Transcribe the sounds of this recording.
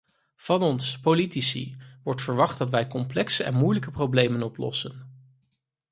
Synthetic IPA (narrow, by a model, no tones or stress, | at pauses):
v̥ɑnɔnspolitisḭʋɔɹtfəɹʋɑχdɑtʋɛjkɔmplɛksəʔɛ̰nmujləkəprowblejmənɔplɔ̰sən